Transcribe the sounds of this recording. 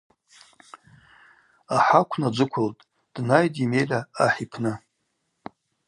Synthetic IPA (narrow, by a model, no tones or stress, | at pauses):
aħakʷʰnad͡ʒʷɨkʷʰʊltʼ | d̥najtʼime̞jlʲaaħipʰnɨ